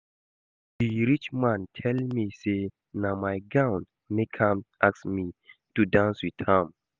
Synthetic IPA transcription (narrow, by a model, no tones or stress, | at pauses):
d̥iɾit͡ʃmãntʰɛlmise | namajɡãw̃n | mekʰãmʔaksmitudãnswit̪hãm